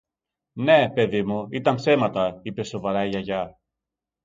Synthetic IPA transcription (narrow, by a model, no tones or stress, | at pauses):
ne̞pe̞ðimuit̪ɐmpse̞mɐt̪ɐipe̞so̞vɐɾɐiɐʝɐ